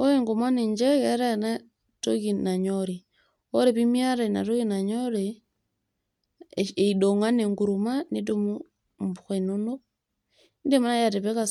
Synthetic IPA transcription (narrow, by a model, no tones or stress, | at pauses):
oeŋɡomwaneɲd͡ʒeɣaɾana | tokinaɲoɾi | oɾeβimjaɾana̰tokinaɲoɾe | eidoŋaneŋɡuɾumanetomu | mbuxenono | ndemanajateβeka